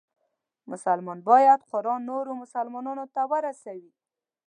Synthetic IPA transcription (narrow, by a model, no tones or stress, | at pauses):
mʊsalmɑnbɑjad̪qʊɾɑnːoɾomʊsalmɑnɑnot̪awəɾasawi